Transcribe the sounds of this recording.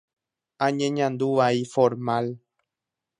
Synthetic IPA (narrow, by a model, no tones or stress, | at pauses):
ãɲẽɲãnd̪uʋaifoɾmal